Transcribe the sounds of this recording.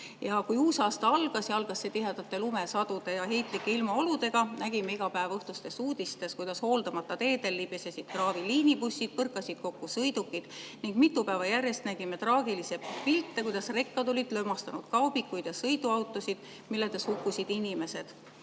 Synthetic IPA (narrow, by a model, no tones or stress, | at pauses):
jɑkujuːsɑːst̪ɑɑlɡ̥ɑsjɑɑlɡ̥ɑsːet̪iɦe̞d̪̥ɑt̪ːe̞lume̞sɑd̪̥ud̪e̞jɑɦe̞jt̪ˑlikːˑeilmɑo̞lud̪e̞ɡ̥ɑnæɡ̥imeiɡ̥ɑpæevɤht̪ust̪e̞suːd̪̥ist̪e̞skujd̪̥ɑsho̞ːld̪ɑmɑt̪ːˑɑt̪e̞ːd̪e̞lːibjesesid̪̥̚krɑːviliːnipusʲːid̪̥̚pɤrkːˑɑsʲid̪̥̚ko̞kːusɤjd̪ukːˑid̪̥niŋɡmit̪ːupæːvɑjærjest̪næɡ̥ime̞t̪rɑːɡilise̞pilt̪ːe̞kujd̪̥ɑsre̞kːɑd̪o̞lid̪̥lømɑst̪ɑnud̪̥kɑwb̥ikːˑujd̪̥jɑsɤjd̪uɑwt̪ːˑo̞sid̪̥ | milːet̪e̞shukːusʲid̪̥inime̞se̞d̪̥